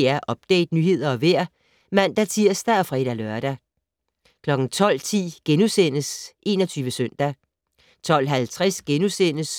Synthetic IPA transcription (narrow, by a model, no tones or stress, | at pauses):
æɐʔɒ̽b̥̚d̥ɛ̰ːd̥nyhe̝ð̞̰ˠɐɒ̽ʋeɐ̰ | mæn̰d̥æt͡sʰiɐsd̥æɒfʁɛːd̥ælœɐɾ̥æ | kʰlɒ̽ɡ̥n̩t͡sʰɒ̽l̰t͡sʰḭːɡ̥enusenəsʔe̝nɒ̽t͡sʰyːʋəsøn̰d̥æ | t͡sʰɒ̽l̰ɦælt͡sʰʁɛsɡ̥enusenəs